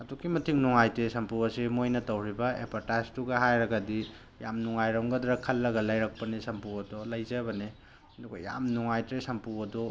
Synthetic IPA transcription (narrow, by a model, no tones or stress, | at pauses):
ɐdukimɐtʰiŋnuŋajtɾesɐmpuɐsimojnɐtɐwɾibɐḛpʰɐɾtajztuɡɐɦajɾɐɡɐdi | ja̰mnuŋajɾɐwŋɡɐdɾɐkʰɐlːɐɡɐlajɾɐk̚pɐnesɐmpuwɐdɔlɐjzɐbɐne | ɐduɡɐ̰ja̰mnuŋajtɾesɐmpuɐdɔ